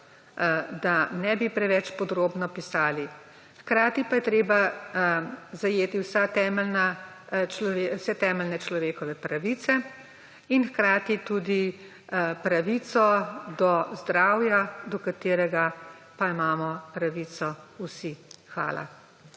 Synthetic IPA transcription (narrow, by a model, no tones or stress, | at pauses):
d̪anɛbipɾɛʋɛt͡ʃpɔd̪ɾoːbnɔpisaːli | xkɾaːt̪ipajɛt̪ɾeːba | zajeːt̪iwsat̪ɛmɛlna | t͡ʃlɔʋewsɛt̪ɛːmɛlnɛt͡ʃlɔʋeːkɔʋɛpɾaʋit̪sɛ | inxkɾaːt̪it̪ud̪i | pɾaʋit̪sɔd̪ɔzd̪ɾaːwjad̪ɔkat̪eːɾɛɡa | paimaːmɔpɾaʋit̪sɔusixʋa̰ːla̰